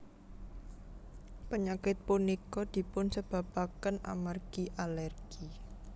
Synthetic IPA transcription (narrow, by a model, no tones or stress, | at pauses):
pəɲakɪt̪̚punikɔd̪̥i̤pʊnsəb̥a̤bakəna̰marɡ̥iʔalɛrɡ̥i